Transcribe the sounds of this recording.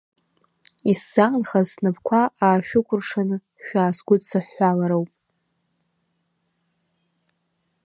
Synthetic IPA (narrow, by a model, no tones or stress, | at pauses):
isz̥anχaznɨpʰkʷʰaʔaːʃᶣʊkʷʊrʂanɨ | ʃᶣaːsɡʷʊdsʰɨħːʷalaɾowpʼ